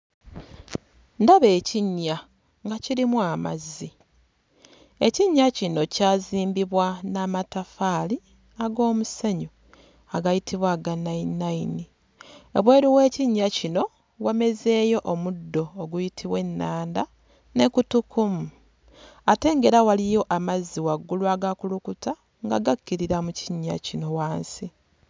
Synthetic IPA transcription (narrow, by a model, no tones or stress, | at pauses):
ndaβe̞ːciɲːa | ŋɡaciɾimwamazːi | e̞ciɲːacino̞caːziːmbiβwanamatafaːli | aɡo̞ːmuseɲu | aɡajitʰiβwaːɡanainaini | oβwe̞ːɾuwe̞ːciɲːacino̞ | wame̞ze̞ːjo̞ʔomudːo̞ːɡujitʰiβwe̞nːaːnda | ne̞kutukumu | ate̞ːŋɡe̞ɾawalijo̞ʔamazːiwaɡːulwaɡakulukuta | ŋɡa̰ɡakːiɾiɾamuciɲːa̰cino̞waːnsi